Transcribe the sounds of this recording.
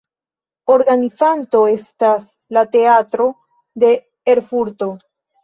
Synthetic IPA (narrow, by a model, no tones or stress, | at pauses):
o̞ɾɡanifanto̞e̞stas | late̞atɾo̞ | de̞ː | ɾfuɾto̞